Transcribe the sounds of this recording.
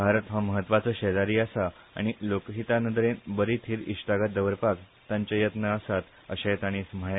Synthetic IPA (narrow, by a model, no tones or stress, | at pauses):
bʱaɾət̪ɦaməɦət̪ːʋat͡səːɕeɾaɾiːəsa | a̰ɽ̃ilokɦit̪anənd̪ɾenbəɾit̪ʰiːɾiɕʈaɡat̪̚d̪əʋəɾpak | t̪ãɲt͡ɕajət̪nəəsat̪ | əɕat̪aɽ̃iːsm̤əɭ